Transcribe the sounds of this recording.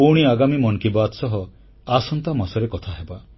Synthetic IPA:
uɽ̃iaɡamimɔnkibat̪sɔɦɔ | asɔnt̪amasɔɾekɔt̪ʰaɦeba

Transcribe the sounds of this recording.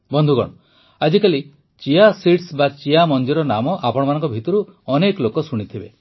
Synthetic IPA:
bɔnd̪ʱuɡɔ̰ɽ̃ɔ | ad͡ʒikali | t͡ʃiasiʈsbat͡ʃiamɔnd͡ʒiɾɔnamɔʔapɔɽ̃ɔmanɔŋkɔbʱit̪ɔɾuɔnekɔlokɔsuɽ̃it̪ʰibe

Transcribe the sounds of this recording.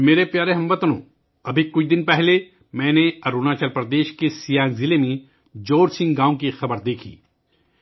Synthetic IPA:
meːɾepjaːɾeɦɐ̃mʋɐt̪nõ̰ː | ɐbʱikʊt͡ʃʰd̪ɪnpɛɦle | mɛ̃ːneɐɾuːnaːt͡ʃɐlpɾɐd̪eːʃkesijãːŋɡzɪlemẽ | d͡ʒoːɾsɪ̃ŋɡɡãːõk̬ixɐbəɾd̪eːkʰḭː

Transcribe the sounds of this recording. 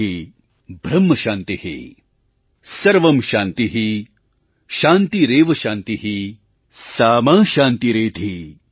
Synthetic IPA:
i | bʱɾɐmːɐʃaːnt̪ihḛː | sɐɾʋɐmʃaːnt̪iɦi | ʃaːnt̪iɾeːʋɐʃaːnt̪iɦi | saːmaːʃaːnt̪iɾeːd̪ʱi

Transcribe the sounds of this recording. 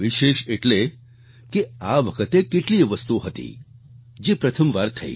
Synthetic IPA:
ʋiʃeʃeʈle | keaʋəkʰət̪ekeʈliʋəst̪uɦət̪ḭ | d͡ʒepɾət̪ʰəmʋaɾt̪ʰəḭ

